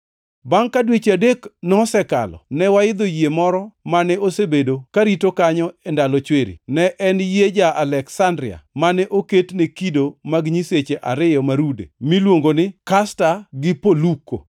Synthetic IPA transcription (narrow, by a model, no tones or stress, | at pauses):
baŋkadwet͡ʃadeknɔsɛka̰lɔ̰nɛwaɪd̪ojiemɔɾɔmanɛosebedokaɾitokaɲɔɛndalɔt͡ʃweɾḭnɛʔɛnjed͡ʒaʔalɛksandɾɪa̰manɛʔoketnekidomaɡɲiset͡ʃeʔaɾɪjɔmaɾudḛmilwoŋɡonɪkastaɡɪpoluko̰